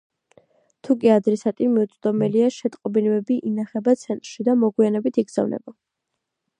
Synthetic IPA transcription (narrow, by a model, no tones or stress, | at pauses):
t̪ʰukʼiad̪ɾɛsat̪ʼimiut̪sʼd̪̥ɔmɛliaʃɛt̪ʼqʼɔbinɛbɛbiʔinaχɛbat̪sʰɛnt̪ʼɾʃid̪amɔɡwianɛbit̪ʰiɡz̥a̰vnɛ̰ba